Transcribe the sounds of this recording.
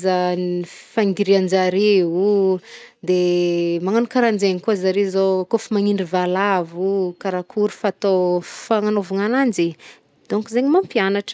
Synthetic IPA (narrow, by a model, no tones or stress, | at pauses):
zanifaŋɡiɾiand͡ʒaɾeu | d̪emaŋanukaɾand͡zeŋikuzaɾezokofimaŋiɳɖ͡ʐivalavukaɾakʰuɾufat̪ofaŋanovuŋanand͡ʒi | d̪̥oŋkuzeɲimampianaʈ͡ʂə̥